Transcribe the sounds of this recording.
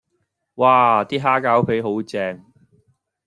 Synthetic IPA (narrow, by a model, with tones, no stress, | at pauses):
waː˧t̪iː˥ɦaː˥kaː˨˥wpʰe˨˥jɦo˨˥wt͡sɛː˧ŋ